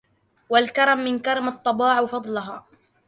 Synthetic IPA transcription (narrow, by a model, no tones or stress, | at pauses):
walkɑɾˤɑmːɪnkɑɾˤɑmɑt̪ˤːɑbɑːʕwfɑd̪ˤlʊɦaː